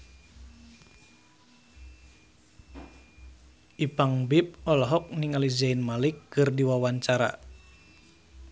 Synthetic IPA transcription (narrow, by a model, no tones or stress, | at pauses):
ʔipaŋbip̚ɔlɔɦɔk̚niŋalizainmalikːɨrdiwawaɲt͡ʃaɾa̰